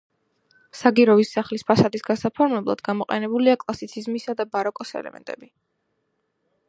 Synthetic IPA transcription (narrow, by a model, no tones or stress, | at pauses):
saɡiɾɔvisːaχlispʰasad̪isɡasapʰɔɾmɛblˠa̰d̪ɡamɔqʼɛnɛbuliakʼlˠasit̪sʰizmisad̪abaɾɔkʼɔsɛ̰lɛ̰mɛ̰nt̪ʼɛ̰bi